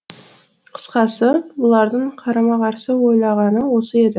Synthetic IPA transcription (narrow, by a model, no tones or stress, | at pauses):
qʰə̥sqɑsəbʊlˠɑɾd̪əɴqʰɑɾɑmɑʁɑɾsəwo̞jlˠɑʁɑnəwo̞səe̞d̪ɪ